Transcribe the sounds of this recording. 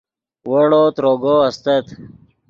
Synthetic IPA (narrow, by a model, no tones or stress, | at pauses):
wəɽoːt̪ɾoɡoɐst̪ət̪